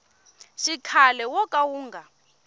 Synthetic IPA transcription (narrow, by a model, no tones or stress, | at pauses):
ʃikʰalɛwɔkʼawuːŋɡʱa